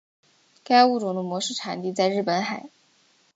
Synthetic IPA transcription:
ka˥ɪu˥˩ʈ͡ʂʊ˨˩ŋd̪ə˧˩mwɔ˧˥ʂɻ̩˥˩ʈ͡ʂʰa˨˩nt̪i˥˧t͡sa˥˧ɪɻ̩˥˩pə˧˥nxa˨˩˦ɪ

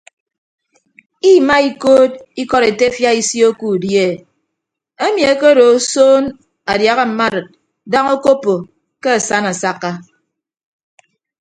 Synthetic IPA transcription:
i˦ma˦i˦koː˦t̚i˦kɔ˦ɾe˨te˦fja˦i˦si˦o˦ku˦˨dje˦˨ | e˦mi˨e˦ke˦ɾo˨˦soː˦n | a˨dja˨ɣa˦m̩˨ma˦dɨ˨t̚ | da˦ŋo˦ko˦po˨ | ke˦a˨sa˦na˨sa˦kːa˦

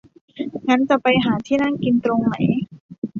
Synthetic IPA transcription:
ŋa˦˥nt͡ɕa˨˩pa˧jɦaː˩˦t̪ʰiː˥˩na˥˩nki˧nt̪ɾo˧ŋna˩˦j

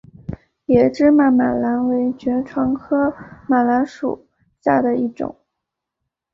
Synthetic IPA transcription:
jɛ˨˩ʈ͡ʂɻ̩˥ma˧˩nma˨˩nla˧˥nwe˧˥ɪt͡ɕɥɛ˧˥ʈ͡ʂʰwɑ˧˥ŋkʰɤ˥ma˨˩nla˧˥nʂṵ˨˩˦ | ɕja˥˩d̪ə˩i˥˩ʈ͡ʂʊ̰˨˩˦ŋ

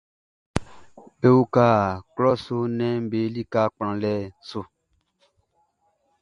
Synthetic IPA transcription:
be˦u˦ka˦˨klɔ˦so˦nɛ̃˦m̩˦be˨˦li˦ka˦k͡pã˨lɛ˦so˧

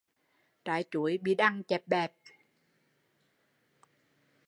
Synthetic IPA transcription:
t̪a̰ː˧˨˦jt͡ɕu˧˨˦jɓḭ˧˩ɗa˧ŋt͡ɕɛ˨˩p̚ɓɛ˨˩p̚

